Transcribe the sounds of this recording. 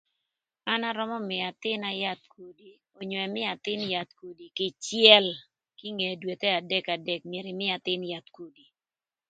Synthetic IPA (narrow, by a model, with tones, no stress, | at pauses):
a˦na˦ɾɔ˦mɔ˦mɪ˨a˨t̪ɪ˦na˦ja˦t̪̚ko˨di˨ | o˨ɲwɛ˨mɪ˦a˨t̪ɪ˦nja˨t̪̚ko˨di˨kɪ˨t͡ʃjɛ˦l | ki˦ŋe˨dwe˨t̪ɛ˦a˨dɛ˦ka˨dɛ˨k̚mje˨ɾɪ˨mɪ˦a˨t̪ɪ˦nja˨t̪ko˨di˨